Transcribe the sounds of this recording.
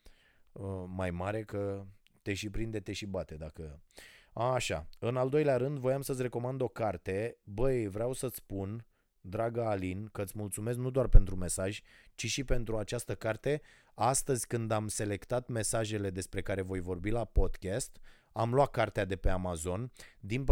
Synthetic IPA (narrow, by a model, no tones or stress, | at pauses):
əmajmaɾe̞kə | t̪e̞ʃipɾind̪e̞t̪e̞ʃibat̪e̞d̪akə | aːʃa̰ɨnald̪o̞jleaɾɨnd̪vo̞jamsəs̬ʲre̞ko̞mand̪o̞kart̪e̞bəjvɾeawsət̪spun | d̪ɾaɡəːlinkəɨt̪sʲmult̪sume̞s̬knud̪owarpe̞nt̪ɾume̞saʒʲt͡ʃiʃipe̞n̪t̪ɾuat͡ʃast̪əkart̪e̞ | ast̪əzʲkɨnd̪amse̞le̞kt̪at̪me̞saʒe̞le̞d̪e̞spɾe̞kaɾe̞vo̞jvo̞rbilapo̞d̪kʲast̪ | amlowat̪̚kːart̪ead̪e̞pe̞amazo̞nd̪inp